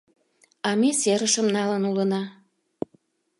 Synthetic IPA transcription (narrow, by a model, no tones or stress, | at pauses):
ɑmeseɾəʃəmnɑlənulənɑ